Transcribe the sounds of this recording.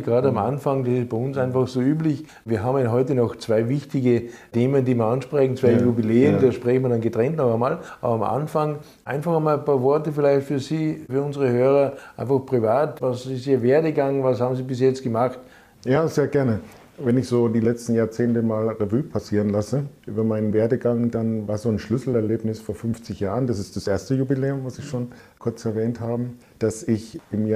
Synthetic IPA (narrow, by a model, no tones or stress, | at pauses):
ɡ̥ʁaːdəamʔa̰nfaŋdasɪst̚b̥aɪʊnsãɪnfaxsoːyːblɪç | viːɐɦaːbmjɦɔʏtənɔxt͡sv̥aɪvɪçtɪɡəteːməndiːməɐanʃpʁɛçn̩t͡sv̥aɪjubileːəndaːʃpʁɛçmiɐdanɡətʁɛntnɔxamaːla̰ːbɐamʔa̰nfaŋ | ʔãɪnfaχamaːlpaːɐvɔɐtəfɪlaɪçtfyːɐsiːfyːɐʊnzəʁəhøːʁɐʔãɪ̃nfaxpʁ̥ivaːtvasɪstiːɐveːɐdəɡaŋvashaːbmziːbɪs̬jɛt͡stɡ̥əmaχt | jaːzeːɐɡɛɐnə | vɛnɪçz̥oːdiːlɛt͡stn̩jaːɐt͡seːntəmaːlʁevyːpʰasiːʁənlasəʔy̰ːbɐmaɪnənveːɐdəɡaŋdanvaːɐzoːnʃlʏsl̩ɛɐleːpnɪsfoːɐfʏnft͡sɪçjaːʁəndasɪstd̥asʔeːɐstəjubileːʊmvasɪçʃoːn | kʰʊɐt͡sɛɐvɛːnthaːbə | d̥asɪçɪmja